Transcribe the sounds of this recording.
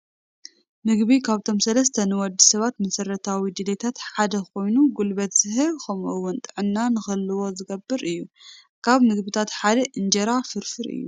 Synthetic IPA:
mɨɡβikʰaβt̪ʰo̞msɐlɐst̪ʰɐnɨwɔd̪ːisɐβat̪mɐsɐɾɐt̪ʰawid̪ɨd̪et̪ʰat̪ħad̪ɐko̞jnuɡulbɐt̪zɨɦɨlkʰɐmʔɨwʊnt̪ʼɨʕɨnːanɨxɐlːɨwo̞zɨɡɐbːɨɾɨjːu | kʰaβmɨɡbɨt̪ʰat̪ħad̪ɐʔɨnd͡ʒɐɾafɨɾfɨɾɨ̰ːjːṵ

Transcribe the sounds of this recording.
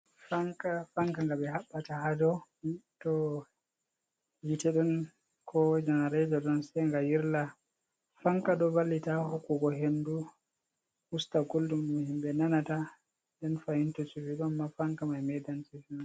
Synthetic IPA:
faŋkafaŋkaŋɡabɛɦaɓːatahad͡ʒɔtɔ | jitɛɗɔn | kʰɔd͡ʒɛnaɾɛd͡ʒɔɗɔnsɛŋɡajiɾla | faŋkaɗɔbalːitahokːuɡɔɦendu | hustaɡoldumːuhimbɛnanata | ndɛnfahintɔt͡ʃuviɗɔamːafaŋkamajmɛdansifin

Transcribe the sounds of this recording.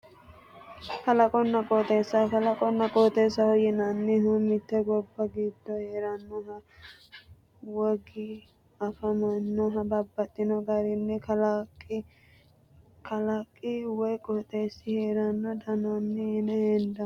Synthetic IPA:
kɐlɐkʼɔnːɐkʼoːt̪ʼeːsːɐkɐlɐkʼɔnːɐkʼoːt̪ʼeːsːɐhɔjɪnanːɛɦɔmɪt̪ːɛɡɔbːɐɡiːd̪ːɔheːɾɐnːɔɦɐ | wɔɡɪ | ɐfɐmɐnːɔɦɐbɐbːɐt̪ʼːɪnɔɡɐɾɪnːɛ | kɐlɐkʼːɪwɔjkʼɔt̪ʼeːsːɪheːɾɐnːɔd̪ɐnanːɛɪnɛhɛnd̪ɐ

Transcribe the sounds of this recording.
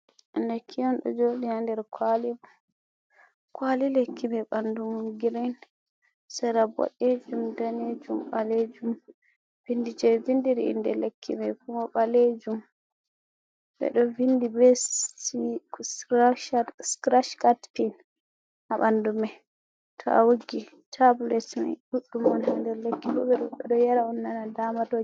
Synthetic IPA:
ʔɛndɛkʰːijɔnɗɔ̰d͡ʒoɗinandɛɾkʰwali | kwalilekʰːimɛɓandumuɡiɾɛn | sɛɾabɔ̰ɗed͡ʒumdaned͡ʒumɓaled͡ʒum | vindid͡ʒɛvindiɾiḭndɛ̰lekʰːḭmɛkumɔɓaled͡ʒum | ɓɛ̰ɗɔvindibɛs | sɾʃaskɾaʃkatpin | ʔaɓandumɛ | tʰɔ̰ʔa̰wuɡi | tʰablɛtma̰ɗuɗːumanandɛɾlekːiɓɔ̰bɛɗɔɓɛɗɔjaɾaɔnːanadamato

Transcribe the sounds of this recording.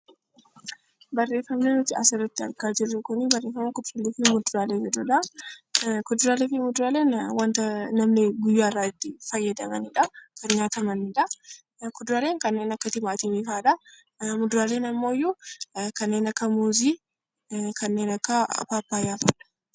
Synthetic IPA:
bɐrːeːfɐmnenʊt̪ːɪɐsɪɾɐt̪ːɪɐ̰ɾkaːd͡ʒɪrːʊkʊnɪbɐrːe̞ːfːɐmɐkʊd̪ʊɾalefɪmʊd̪ɾaːleːd͡ʒɛd̪ʊᶑɐ | kɔd̪ʊɾaːlefɪmʊd̪ʊɾaːleːnwɐnt̪ɐnɐmnɪɡʊjːaːrːaːɪd̪ːɪfɐjːɐd̪ɐmɐnɪᶑɐkɐnɲaːt̪ɐmɐnɪᶑɐ | kɔd̪ʊɾaːle̞ːŋkɐnːeːnɐkːɐt̪ɪmaːt̪ɪmiːfaːᶑɐ | mʊd̪ʊɾaːleːnɐmːoːɪjːukɐnːe̞ːnɐkːɐmoːziː | kɐnːeːnɐkːɐ̰paːpːaːjaːfɐᶑɐ̥

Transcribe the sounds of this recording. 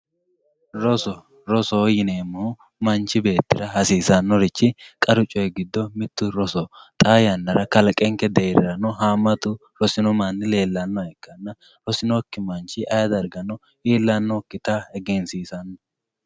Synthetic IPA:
ɾɔsɔ | ɾɔsɔjɪneːmːuː | mɐnt͡ʃːɪbe̞ːt̪ːɪɾɐɦɐsiːsɐnːɔɾɪt͡ʃːɪkʼɐɾʊt͡ʃʼːɔjɡɪd̪ːɔmɪt̪ːʊɾɔsɔt̪ʼaːjɐnːɐɾɐkɐlɐkʼɛŋkɛd̪ɛjɪɾɐnɔɦaːmːɐt̪ʊ | ɾɔsɪnɔmanːɪle̞ːlːɐnːɔɛkːɐnːɐ | ɾɔsɪnɔkːɪmɐnt͡ʃɪʔɐjɐd̪ɐɾɡɐnɔ | iːlːɐnːɔkːɪt̪ahɛɡɛnsiːsɐnːɔ

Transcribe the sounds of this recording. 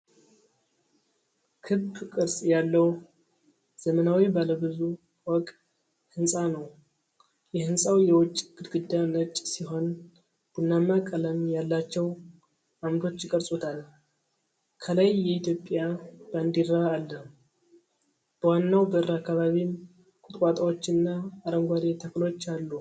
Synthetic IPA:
kʰɨbːkʼɨɾsʼjalːəw | z̥əmənawibaləbɨzu | wɔkʼ | hɨnsʼanəw | jɛhɨnsʼawjɛwɔt͡ʃʼːɡ̥ɨd̪ɡɨd̪ːanət͡ʃʼsiɦo̞n | b̥unːamakʼələmjalːat͡ʃːɛw | amɾo̞t͡ʃːjɪkʼəɾsʼut̪ʰal | kʰələjːɛit̪jo̞pʼjab̥and̪iɾaːlːə | b̥əwanːawbəɨɾakːaβaβim | kʼʊt̪ʼkʼat̪ʼawo̞t͡ʃːɨnːaːɾəŋɡʷaɾet̪ʰəklo̞t͡ʃːalːu

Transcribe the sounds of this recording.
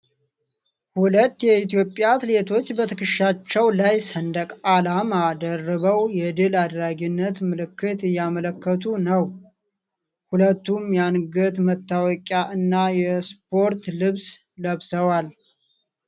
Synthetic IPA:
hulət̪ːjɛit̪ijo̞pʼːjat̪ʰɨle̞t̪ʰo̞t͡ʃːbət̪ʰɨkɨʃat͡ʃːɛwlajsənd̪əkʼalamad̪ərːəβəwjɛd̪ɨlad̪ɾaɡɪnːət̪mɨlɨkːɨt̪ɨjːamələkːət̪ʰunəw | hulət̪ːumjanɡət̪mət̪ːawɔkʼaʔɨnːajɛspʰo̞ɾt̪lɨβs | ləβsəwal

